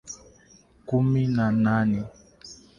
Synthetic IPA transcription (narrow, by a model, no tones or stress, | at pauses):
kuminananɛ